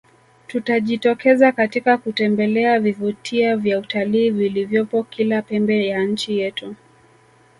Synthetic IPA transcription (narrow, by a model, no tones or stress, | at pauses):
tutaʄitɔkɛzakatikakutɛmbɛlɛavivutʰiavjautaliːvilivjɔpɔkilapɛmbɛjan̩t͡ʃijɛtu